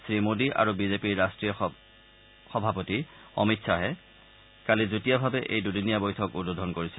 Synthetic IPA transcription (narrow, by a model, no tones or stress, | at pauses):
sɹimodiʔa̰ɹubizepiɹːastɹijɔ | xɔbʱapoti | ɔ̰mitsʰaɦɛ | kalizutijabʱabɛʔḛjdudinijabɔjtʰɔkudodʱɔnkoɹisɛ